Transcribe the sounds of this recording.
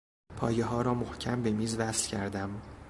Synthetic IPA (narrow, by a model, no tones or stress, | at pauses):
pʰɒːje̞ɦɒːɾɒːmohcʰæmbe̞miːzvæslcʰæɾd̪æm